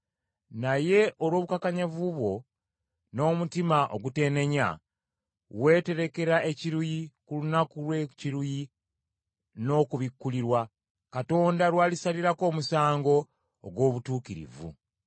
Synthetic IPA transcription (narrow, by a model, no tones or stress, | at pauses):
naje̞ʔo̞lwo̞βukakaɲavuβwo̞ | no̞ːmutimaʔo̞ɡute̞ːne̞ɲa̰ | we̞ːte̞ɾe̞ke̞ɾaʔe̞ciɾujikulunakulweciɾuji | no̞ːkuβikːuliɾwa | kato̞ːndaɾwaːlisaliɾako̞ːmusaːŋɡo̞̰ː | ɡwo̞ːβutuːkiɾḭvṵ